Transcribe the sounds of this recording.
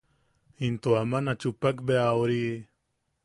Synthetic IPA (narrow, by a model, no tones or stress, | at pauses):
int̪oamanat͡ʃupakbeawɾi